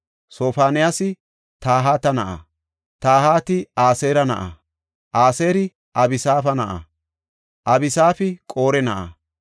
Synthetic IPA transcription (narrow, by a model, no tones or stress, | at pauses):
so̞ːfaːnɪjasɪ | t̪aːɦaːt̪ɐnɐʔaɐ̰ | t̪aːhaːt̪ɪaːseːɾɐnɐ̰ʔɐ̰ | ʔaːseːɾɪ | ʔɐbɪsaːfɐnɐʔɐ̰ | ʔɐbɪsaːfɪkʼo̞ːɾɛnɐʔɐ̰